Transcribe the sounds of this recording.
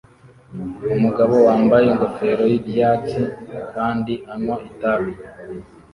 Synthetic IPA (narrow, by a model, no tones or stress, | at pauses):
umuɡaβo̞waːmbajeŋɡo̞fe̞ɾo̞jiɾjaːt͡sikaːndiʔaɲwaitaβi